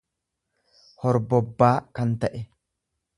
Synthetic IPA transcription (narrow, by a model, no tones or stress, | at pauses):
hɔɾbɔbːaːkɐnt̪ɐʔɛ